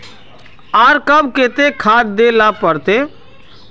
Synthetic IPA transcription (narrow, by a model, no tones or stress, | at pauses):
aːɾkəbket̪ekʰaːd̪d̪elapəɾt̪e